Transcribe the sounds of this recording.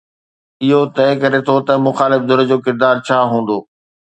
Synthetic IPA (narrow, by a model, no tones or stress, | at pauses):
ɪɦot̪ɐɪkɐɾet̪ʰot̪ɐmʊxaːlɪfd̪ʊɾəd͡ʑoːkɪɾd̪aːɾt͡ɕʰaːɦũːn̆d̪oː